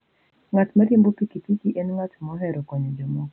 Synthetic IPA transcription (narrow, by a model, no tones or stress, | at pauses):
ŋatmaɾimbopikipikiʔɛnŋatmɔɦɛɾɔkɔɲɔd͡ʒɔmɔk